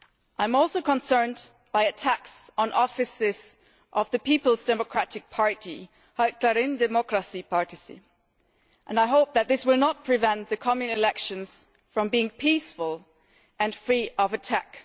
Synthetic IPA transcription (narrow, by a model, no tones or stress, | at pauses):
ʔãɪ̃mɔlˠsoʊkə̃nsɜ̃˞nd | b̥aɪɨtʰæksn̩ʔɔfɨsɪz̥ | ʔʌvðɨpipl̩ˠzdɛməkʰɹ̥æɾɨk̚pʰɑɹɾi | akʰlɛɾɪ̃ndɛmɔkɹəsipʰɑɹɾɨsḭ | ʔə̃naɪɦoʊp̚ðɨt̪̚ðɪswɪlˠnət̚pʰɹ̥ɨvɛ̃nðɨkʰɑmɨ̃nɪlɛkʃɨ̃nz̥ | fɹʌ̃mbiɪ̃ŋpʰisfəlˠ | ʔɨ̃nfɹiʔʌvɨtʰæ̰k